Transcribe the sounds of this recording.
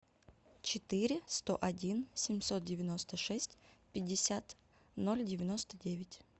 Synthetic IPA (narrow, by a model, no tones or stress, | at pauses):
t͡ɕɪt̪ɨɾʲɪst̪o̞ʔɐdʲinsʲɪmʲsot̪̚dʲɪvʲɪno̞st̪əʂɛsʲtʲpʲɪdʲːɪsʲat̪ | nolʲdʲɪvʲɪno̞st̪ədʲevʲɪtʲ